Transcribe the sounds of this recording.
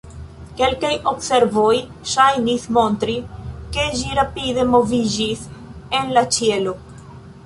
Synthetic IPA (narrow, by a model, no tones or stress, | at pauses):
ke̞lkajo̞bse̞ɾvo̞j | ʃajnismo̞ntɾike̞ʒiɾapid̪e̞mo̞vid͡ʒise̞nlat͡ʃie̞lo